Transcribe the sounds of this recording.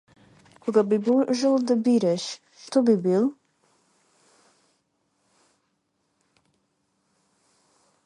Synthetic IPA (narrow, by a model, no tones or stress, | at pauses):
kʰʷɔɡabibuʒəlˠd̪abiɾɛʃ | ʃtʰɔbibil